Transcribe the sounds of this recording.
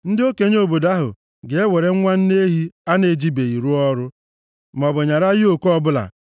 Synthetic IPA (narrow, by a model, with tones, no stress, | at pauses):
n̩˦dɪ˦o˦ke˨ɲ˦o˨bo˨da˦ɦʊ̰˨ | ɡe˨e˦we˨ɾe˦ŋ̩˦ŋʷa˦n̩˦ne˦ɦi˦a˦ne˨d͡ʒi˦be˨i˨ɾu˦ɔ˦ɾʊ˦ | m˨ɔ˨bʊ˨ɲa˨ɾa˦jɪ˦o˨kɔ˦bʊ˦la̰˨